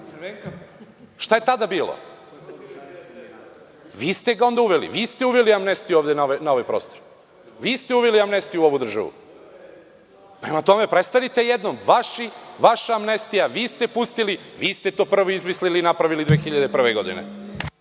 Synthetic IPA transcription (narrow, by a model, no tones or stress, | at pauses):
eŋk | ʃt̪aje̞t̪ad̪abiːlo̰ | ʋiːst̪eɡao̞nd̪auʋelḭʋiːst̪euʋeliamnest̪iuoːʋd̪enaʋjnaoʋajpɾo̞ːst̪oɾ | ʋiːst̪e̞uʋeliamne̞st̪ijuo̞ʋud̪r̩ʒa̰ʋṵ | pɾe̞mat̪o̞me̞pɾe̞t̪st̪alit̪e̞jed̪nomʋaʃiʋaʃaːmnest̪ijaʋiːst̪e̞pust̪iliʋiːst̪e̞t̪o̞ːpr̩ʋoizmislilinapɾaʋilid̪ʋeːxiʎad̪epr̩ʋeɡo̞d̪ḭnḛ